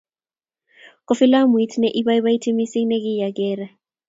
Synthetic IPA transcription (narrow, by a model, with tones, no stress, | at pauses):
kɔfi˦la˦mu˨i˦tʰnɛʔi˦ɓaji˦βa˦i˦tʰi˦mi˦si˦ŋnɛ˦k̬i˦ja˨kɛː˦ra˨